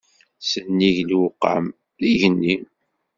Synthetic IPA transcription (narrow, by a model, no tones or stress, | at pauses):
sənːiʝlwʊqːa̰m | ðiʝənːi